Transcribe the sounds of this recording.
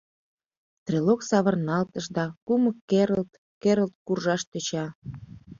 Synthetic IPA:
t̪riloksɑβərnɑlt̪əʃd̪ɑkuməkːeɾəlt̪ | keɾəlt̪̚kurʒɑʃt̪øt͡ɕɑ

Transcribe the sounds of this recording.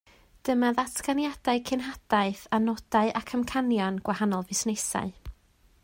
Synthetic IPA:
d̥əmaðatʰɡanjad̥aɨkʰɪnɦad̥aɨθanɔd̥aɨʔakʰəmkʰanjɔnɡ̥wahanɔlˠvɪsnesa̰ɨ

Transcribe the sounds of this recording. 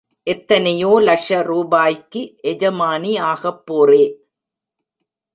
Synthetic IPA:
ʔɛt̪ːɐnɐjoːlɐʂɐɾuːbaːjkːɯʔɛd͡ʒɐmaːniaːɣɐpːoːreː

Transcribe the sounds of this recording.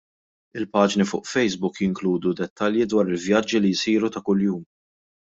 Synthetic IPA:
ɪlpɐːd͡ʒnifʊ̰ːʔfɛjzbʊkjɪŋkluːd̪ud̪ɛt̪ːɐljid̪wɐːɾɪlvjɐd͡ʒːilijsiːɾut̪ɐkʊljuːm

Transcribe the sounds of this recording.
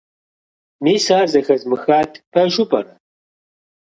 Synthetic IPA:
miːsaːrzɐxɐzmɨxaːtʰpʰɐʒʊpʼɐ̰ɾɐ

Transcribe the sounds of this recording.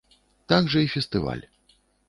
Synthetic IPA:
t̪aɡʐɐifʲɛst̪ɨva̰lʲ

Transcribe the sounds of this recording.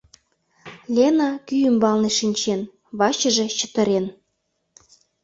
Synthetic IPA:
lʲenɑkyjymbɑlneʃinʲt͡ɕen | βɑt͡ɕə̆ʒĕt͡ɕə̥t̪ə̆ɾen

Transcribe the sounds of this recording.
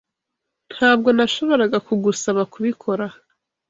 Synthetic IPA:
n̥haːb̚ɡo̞naʃo̞βo̞ɾaɡakuɡusaβakuβikʰo̞ɾa

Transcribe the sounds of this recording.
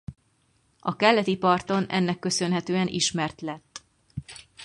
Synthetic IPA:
ɒkɛlːɛt̪ipɒrt̪o̞nɛ̰nːɛkːø̞sø̞nɦɛt̪øːɛnʔiʃmɛrt̪lɛt̪ː

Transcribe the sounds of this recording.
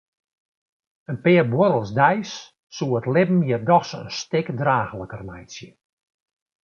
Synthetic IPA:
ənpɪːrbwoɾəlˠsdɛjsː | uəətlɪbm̩jərdɔxsə̰nstɪkdraːxələkərmɛjsjə

